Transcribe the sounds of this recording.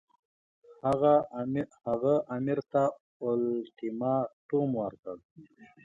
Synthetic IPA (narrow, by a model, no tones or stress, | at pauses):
haɣahaɣaʔamiɾt̪a | ʊlt̪imɑt̪umwaɾkəl